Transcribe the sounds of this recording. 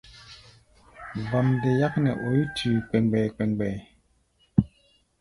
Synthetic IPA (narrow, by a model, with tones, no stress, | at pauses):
vɔ˨mde˨ja˦k̚nɛ˨ʔo˨ji˦tʰʉː˨k͡pɛ˨ŋɡ͡bɛ˨k͡pɛ˨ŋɡ͡bɛ˨